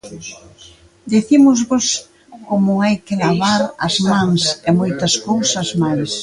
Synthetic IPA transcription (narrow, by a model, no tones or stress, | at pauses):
d̪iθimʊzβos | komʊajkɪlaβaɾɐzmãŋsemojt̪ɐskowsɐzmajs